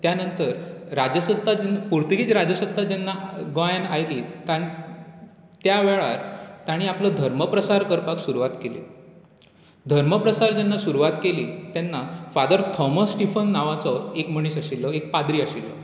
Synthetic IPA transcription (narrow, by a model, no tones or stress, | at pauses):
t̪janənt̪əɾɾad͡ʑəsət̪ːad͡ʑnpuɾt̪əɡiːt͡sɾad͡zəsəd̪ʱad͡ʑɛnːaɡɔjanajliːt̪ãi | t̪jaʋeɭaɾt̪aɽ̃iapləd̪ʱəɾməpɾəsaɾkəɾpaksuɾuʋat̪kelḭ | d̪ʱəɾməpɾəsaɾd͡ʑɛnːasuɾuʋat̪keliːt̪ɛnːafad̪əɾt̪ʰɔməsːʈifənːaʋat͡sɔekməɽ̃iːsaɕilːɔek̚pad̪ɾiːaɕilːɔ̰